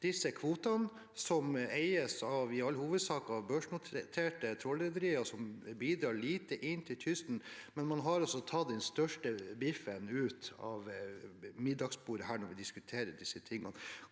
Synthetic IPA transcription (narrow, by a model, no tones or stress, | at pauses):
d̪̥ɪsːəkʰʋuːt̪ɑn | sɔmɛɪəsɑʋɪɑlːəhuːʋəd̪sɑːkɑɑʋbøːʂɳʊt̪t̪ʰeːʈət̪ʰɾɔled̪əɾiːɔsɔmbiːd̪ɾɑːɭiːt̪əʔɪnːt̪ʰɪlt̪ʰʏst̪n̩mɛnmɑnɦɑɾɔsɔt̪ʰɑːd̪ɛnst̪œʂʈəbɪfənʉːt̪ɑ̰ʋ | mɪd̪ːɑɡsbuːɾəɦæːɳɔɾʋɪd̪ɪskʉt̪ʰeːɾəɖɪsːət̪ʰɪŋːɑ̰n